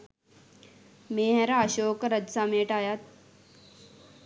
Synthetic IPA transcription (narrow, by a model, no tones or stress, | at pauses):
meɦɾaɕoːkɾəd̪sameːʈaːjaːt̪̚